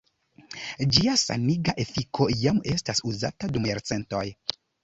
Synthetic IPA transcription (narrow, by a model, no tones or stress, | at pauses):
d͡ʒiasa̰niɡaʔefikʰo̞jame̞stasuza̰tadumeɾt͡se̞nto̞j